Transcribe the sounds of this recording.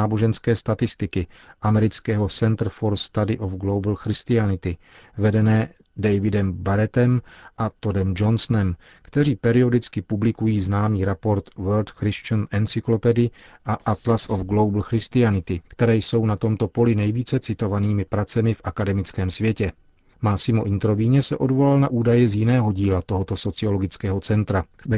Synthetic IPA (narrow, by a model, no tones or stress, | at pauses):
aːboʒɛnskɛːst̪at̪ɪst̪ɪkɪʔamɛɾɪt͡skɛːɦo̞sɛnt̪ɾ̩foɾst̪adɪʔofɡlowbl̩xɾɪst̪ɪanɪt̪ɪ | vɛdɛnɛː | dɛjvɪdɛmbaɾɛt̪ɛmʔat̪odɛmd͡ʒo̞nsnɛm | kt̪ɛɾiːpɛɾɪo̞dɪt͡skɪpublɪkujiːznaːmiːɾɛpo̞ɾt̪vɛlt̪xɾɪst͡ʃanʔɛnt͡sɪklo̞pɛdɪ | ʔaʔat̪lasʔofɡlo̞wbl̩xɾɪst̪ɪanɪt̪ɪkt̪ɛɾɛːjso̞wnat̪o̞mt̪o̞po̞lɪnɛjviːt͡sɛt͡sɪt̪o̞vaniːmɪpɾat͡sɛmɪfʔakadɛmɪt͡skɛːmsvjɛcɛ | maːsɪmo̞ʔɪnt̪ɾo̞vɪɲɛsɛʔo̞dvo̞lalnaʔuːdajɛzjɪnɛːɦo̞ɟiːlat̪o̞ɦot̪o̞so̞t͡sɪo̞lo̞ɡɪt͡skɛːɦo̞t͡sɛnt̪ɾa